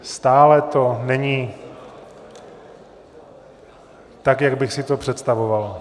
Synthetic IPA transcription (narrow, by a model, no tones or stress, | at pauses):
st̪aːlɛt̪o̞nɛɲi | t̪akjaɡbɪxsɪt̪o̞pr̝̥ɛt̪st̪avoval